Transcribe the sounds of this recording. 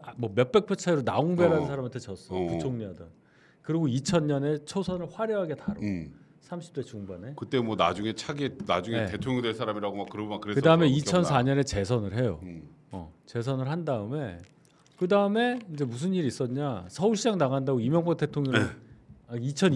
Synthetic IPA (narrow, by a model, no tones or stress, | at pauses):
mwʌmjʌp͈e̞k̚pʰet͡ɕʰaiɾona̰oŋbeɾanɯnsʰaɾamatʰet͡ɕʌs͈ʌput͡ɕʰoŋɲiɦadʌn | kɯɾiɡoit͡ɕʰʌnɲʌne̞t͡ɕʰosʰʌnɯɭɸwaɾjʌɦaɡe̞taɾo̰ | sʰamɕʰi̥p̚t͈we̞t͡ɕuŋbane̞kɯt͈emwʌna̰d͡ʑuŋe̞t͡ɕʰaɡena̰d͡ʑuŋeetʰoŋʌŋdwesʰaɾamiɾaɡomakɯɾʌbmakɯɾekɯdaɯme̞it͡ɕʰʌnsʰaɲʌne̞t͡ɕe̞sʰʌnɯɭɦe̞jo̰ | ʌ̰t͡ɕe̞s̬ʰʌnɯɭɦhandaɯme̞ | kɯdaɯme̞ind͡ʑe̞musʰɯnːiɾis͈ʌdɲasʰʌuɭɕʰid͡ʑaŋnaɣandaɡoimjʌŋpot͈ʰetʰoŋɯ | it͡ɕʰʌn